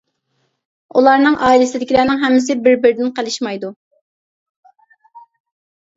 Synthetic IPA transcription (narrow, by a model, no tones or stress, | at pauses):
ulˠɑɾnɨŋʔɑːilɪsɪd̪ɪkʲilænɪŋɦɛmːɪsɪbɪɾbɪɾɪd̪ɪnqəlˠɨʃmɑjd̪u